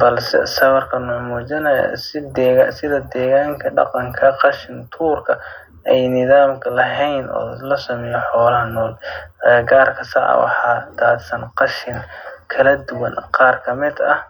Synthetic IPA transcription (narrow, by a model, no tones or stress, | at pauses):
bɐlsɛ̰sɐβɐrkʰɐnʊʕmuːt͡ʃɐnɐjɐ̰sɪd̪ɛasɪðɐd̪ɛːɣaːŋkʰɐɖɑ̰qɑŋkʰɐqɑʃɪnt̪ʰuːrkʰɐ | ɛjnɪðaːmkʰɐlɐɦɛjnʔɔ̰ːlɐsɐmɛjɔħɔːlɐnɔːlɛɡaːrkʰɐsɑʕɐ̰wɑ̰ħɑːd̪aːd̪sɐnqɑʃɪnkʰɐlɐd̪ʊwɐnqɑːrkʰɐmɪd̪ɐh